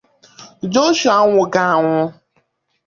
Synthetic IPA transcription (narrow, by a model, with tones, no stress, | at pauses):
d͡ʒo˦ʃu˨a˦ŋʷʊ˨ɡa˨a˨ŋʷʊ˦